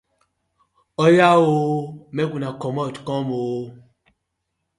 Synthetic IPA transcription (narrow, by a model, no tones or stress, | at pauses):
ɔjawomɛɡunakɔmɔtkɔ̃mo